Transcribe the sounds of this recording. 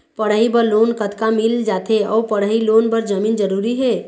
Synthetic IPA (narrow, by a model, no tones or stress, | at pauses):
pəɽ̤aibəɾloːnkət̪kamild͡ʒat̪ʰeɔ̰ːpəɽ̤ɦiloːnbəɾd͡ʒəmiːnd͡ʒəɾuɾiɦe